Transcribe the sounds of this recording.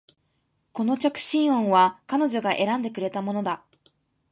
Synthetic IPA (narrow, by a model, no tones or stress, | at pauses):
ko̞no̞t͡ɕakɯ̟̥ɕĩɰ̃õ̞ɰ̃βakano̞ʑo̞ɡaʔe̞ɾãnd̪e̞kɯ̟ɾe̞t̪amo̞no̞d̪a